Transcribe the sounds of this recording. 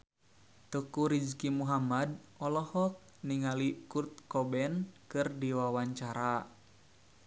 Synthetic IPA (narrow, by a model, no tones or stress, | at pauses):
t̪əkuɾid͡ʒkimuɦamadɔlɔhɔk̚ | niŋalikurt̪̚kɔbɛnkɨrdiwawaɲt͡ʃaɾa